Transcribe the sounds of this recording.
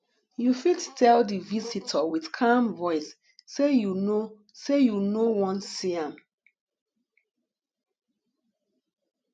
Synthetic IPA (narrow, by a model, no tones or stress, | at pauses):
jufidtʰɛldivisitʰəwið̥kʰamvɔɪsː | ejuno | sejunowɔ̃nsiãm